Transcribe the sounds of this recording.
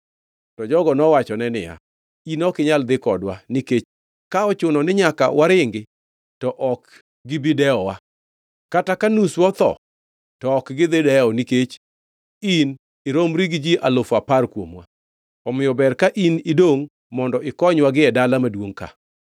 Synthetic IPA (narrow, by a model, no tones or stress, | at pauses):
tɔd͡ʒɔɡɔnɔwat͡ʃɔnɛnɪja̰ | inɔkɪɲald̪ɪkɔdwaniket͡ʃ | kaɔt͡ʃʊnɔnɪɲaka̰wʔaɾɪŋɡɪ | tɔʔɔk | ɡɪbɪdɛɔwa | katakanuswɔt̪ɔ̰ | tɔːkɡɪd̪ɪdɛɔniket͡ʃ | in | ɪɾomɾiɡd͡ʒiʔalofaparkwomwa̰ | ɔmɪjɔbɛrkaʔinɪdoŋ | mɔndɔʔɪkɔɲwaɡɪɛdalamadwoŋka̰